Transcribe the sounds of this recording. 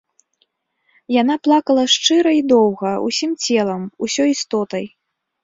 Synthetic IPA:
jan̪aplˠakɐlˠɐʂt͡ʂɨɾɐid̪ɔwɣɐṵsʲimt͡sʲɛlˠɐmusʲɔist̪ɔt̪ɐj

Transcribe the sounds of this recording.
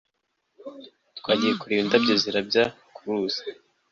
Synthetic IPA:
twaːɟije̞kuɾindabɟeːziɾabɟa | kuɾuːz̥ḁ

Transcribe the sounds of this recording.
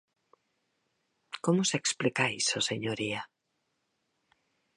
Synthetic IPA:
komʊseksplikajsoseɲoɾia

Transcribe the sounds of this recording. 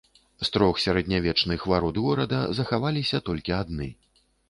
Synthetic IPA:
st̪ɾɔxsʲaɾɐd̪ʲnʲavʲɛt͡ʂnɨxvaɾud̪ɣɔɾɐd̪ɐzɐxavalʲisʲɐt̪ɔlʲkʲiad̪nɨ

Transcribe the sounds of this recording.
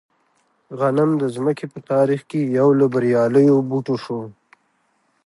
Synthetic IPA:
ɣanamd̪əzməkepət̪ɑɾixkejawlabaɾjɑləjobuʈoʂo

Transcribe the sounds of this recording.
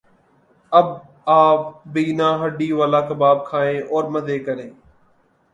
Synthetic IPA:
əb | aːpːiːnãːɦəɖiːʋaːlaːkəbaːb̚kʰaːẽːʔɔːɾməd̪eːkəɾẽː

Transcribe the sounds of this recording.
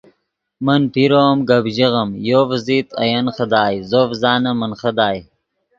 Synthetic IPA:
mənpiɾoːmɡɐbʒiɣɐmjoːvzit̪ɐ̰jɐnχəd̪aːjzoːfzɑːnɐmənχəd̪aːj

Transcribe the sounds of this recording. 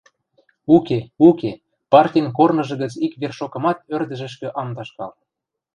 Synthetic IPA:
ukeuke | pɑrtʲijnkornɤ̆ʒɤ̆ɣə̆t͡sikβerʃokɤ̆mɑt̪̚ørd̪ə̆ʒə̆ʃ̬kø̆ʔɑmd̪ɑʃkɑ̰l

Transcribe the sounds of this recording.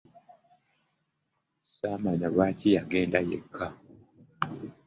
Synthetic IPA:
samaɲaβaːtijaɡeːndajḛkʰːa

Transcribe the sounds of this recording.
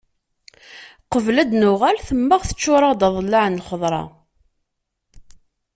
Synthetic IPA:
qəvlæd̪nʊʁælθəmːəʁθə̥t͡ʃːʊɾˤɑd̪ɑðˤəlːaʕnəlχəðˤɾˤɑ̰

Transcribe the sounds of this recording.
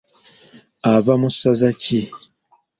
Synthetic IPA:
avamusazaci

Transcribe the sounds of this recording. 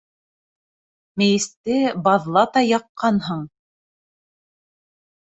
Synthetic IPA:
mɘ̆jɘ̆st̪ɘbɑðlˠɑt̪ɑjɑqːɑnɦɤɴ

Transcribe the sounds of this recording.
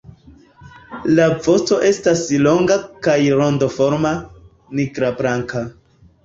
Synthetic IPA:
lavo̞t͡so̞ʔe̞staslo̞ŋɡakajɾo̞ndofo̞ɾma | niɡɾabɾaŋka

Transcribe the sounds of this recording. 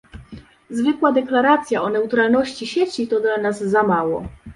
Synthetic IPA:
zvɘkwad̪ɛklaɾat̪sʲjaʔɔnɛut̪ɾalnɔɕt͡ɕiɕet͡ɕit̪ɔd̪lanazːamawɔ̰

